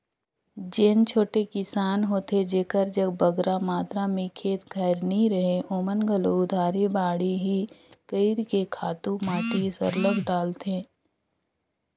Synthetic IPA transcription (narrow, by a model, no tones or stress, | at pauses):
d͡ʒeːnt͡ʃʰoːʈekɪsaːnɦoːt̪ed͡ʒeːkəɾd͡ʒəɡbəɡɾamaːt̪ɾamẽkʰeːt̪ɡʱəːɾnəĩɾɐɦeʔoːmənɡəloʊd̪ʱaːɾebaːɽiɦikəɪɾkekʰaːt̪ũmaːʈisə̰ɾləɡɖaːlt̪ẽː